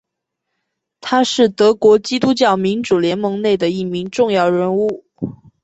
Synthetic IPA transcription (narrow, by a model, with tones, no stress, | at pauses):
t̪ʰa˥ʂɻ̩˥˩t̪ɤ˧˥kwɔ˧˥t͡ɕi˥t̪u˥t͡ɕjɑ˥˩ʊmi˧˥nʈ͡ʂu˨˩ljɛ˧˥nmɤ˧˥ŋne˥˩ɪd̪ə˩i˥˩mi˧˥ŋʈ͡ʂʊ˥˧ŋjɑ˥˩ʊɻə˧˥nu˥˩